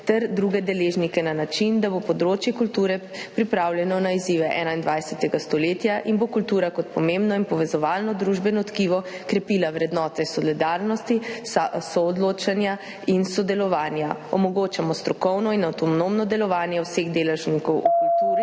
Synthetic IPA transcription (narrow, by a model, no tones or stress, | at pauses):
t̪ɛɾd̪ɾuːɡɛd̪ɛleːʒnikɛnanat͡ʃind̪abopɔd̪ɾoːt͡ʃjɛkult̪uːɾɛ | pɾipɾaːwljɛnɔnaiziːʋɛʔɛ̰ːnaind̪ʋajsɛt̪ɛɡast̪ɔleːt̪jaʔinbokult̪uːɾakɔt̪̚pɔmembnɔinpɔʋɛzɔʋaːlnɔd̪ɾuːʒbɛnɔt̪kiʋɔkɾɛpiːlawɾɛd̪nɔːt̪ɛsɔlid̪aɾnɔst̪isɔːd̪loːt͡ʃanja | insɔd̪ɛlɔʋaːnjaɔmɔɡoːt͡ʃamɔst̪ɾɔkɔwnɔinawt̪ɔnomnɔd̪ɛlɔʋaːnjɛwseɣd̪eːlɛʒnikɔwukult̪uːɾi